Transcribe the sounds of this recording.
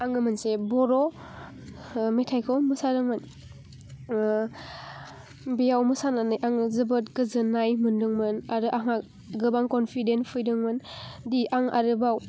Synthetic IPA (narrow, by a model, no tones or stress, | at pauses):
aŋɯmɯnsebɔɾɔ | metʰajkʰɔmɯsadɯŋmɯn | bijawmɯsananɯjʔaŋzɯbɯt̚kɯzɯnajmɯndɯŋmɯnaɾɯʔaŋa | ɡɯbaŋkɔnpʰidenpʰɯjdɯŋmɯndiʔaŋʔa̰ɾɯbaw